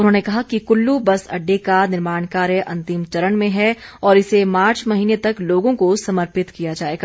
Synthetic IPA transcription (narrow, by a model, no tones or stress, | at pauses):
ʊnɦõːnekɐɦakikʊlːubɐsɐ̰ɖːekanɪɾmaːnkaːɾjəʔɐ̃nt̪ɪmt͡ʃɐɾəɳmẽɦɛɔːɾɪsemaːɾt͡ʃmɐɦiːnet̪ɐkloːɡõkosɐməɾpɪt̪kijad͡ʒaːeːɡaː